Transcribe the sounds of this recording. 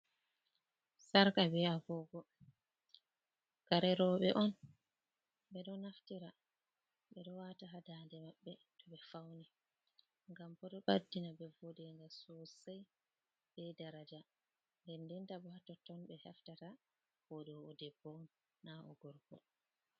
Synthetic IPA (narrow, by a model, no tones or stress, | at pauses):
saɾkabɛaɡɔɡɔ | kaɾɛɾɔɓɛʔɔn | bɛɗɔnaftiɾa | ɓɛɗɔwataɦadandɛmaɓːɛtɔɓɛfawni | ŋɡambɔɗɔɓadːinabɛvɔdɛŋɡasɔsaj | bɛdaɾad͡ʒa | ndɛndɛntabɔhatɔtɔnbɛhaftata | hɔdɔːdɛbːɔɔnː | aʔɔ̰ɡɔɾɡɔ̰